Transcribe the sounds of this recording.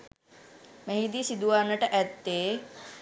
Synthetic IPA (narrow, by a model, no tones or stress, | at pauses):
meɦid̪iːsid̪uʋaːnəʈəʔæt̪ːeː